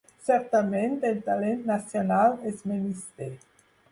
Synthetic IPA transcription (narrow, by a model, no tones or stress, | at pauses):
sɛɾt̪amẽnt̪elt̪alẽnt̪nasjonalɛsmenist̪e